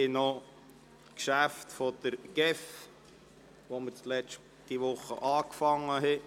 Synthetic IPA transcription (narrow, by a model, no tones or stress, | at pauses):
ɪno | kʃæftfɔd̪̥əɾɡ̥ɛf | ʋomət͡slɛʃ | t̪iʋʊχːə̰ʔɑːkfɑŋːəɦɛ